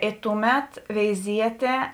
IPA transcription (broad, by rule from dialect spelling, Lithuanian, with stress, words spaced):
ɪ ˈtʊˌmʲɛt ʋʲɛɪˈzʲiɛtʲeː